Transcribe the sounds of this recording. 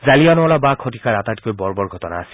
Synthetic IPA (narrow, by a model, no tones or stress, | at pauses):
zalijanɔɔlabakʰɔtikaɹatatkojbɔɹbɔɹɡʱɔtɔna̰ːsi̥